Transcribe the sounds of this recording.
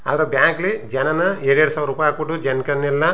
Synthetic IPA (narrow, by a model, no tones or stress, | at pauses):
a̰ːd̪ɐɾebjaːŋklid͡ʒɐnɐnɐeːɽeɽusaːʋɾuːpaːjaːkuʈːud͡ʒɐnkɐnːilːɐ